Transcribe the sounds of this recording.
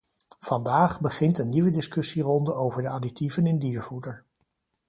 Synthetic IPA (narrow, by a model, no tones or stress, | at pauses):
v̥ɑndaːχbəχɪntənːiʋədɪskɵsirɔndəowvəɹdəɑdik̚tivənɪndiːɹvudəɹ